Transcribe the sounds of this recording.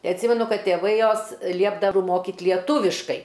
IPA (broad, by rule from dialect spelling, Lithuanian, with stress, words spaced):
ˈtɐɪ ɐtʲˈsʲiːmʲɛnʊ ˈkɐt tʲeːˈʋɐɪ ˈjoːs ˈlʲiɛbdɐw ˈmoːkʲɪt lʲiɛˈtuːʋʲɪʃkɐɪ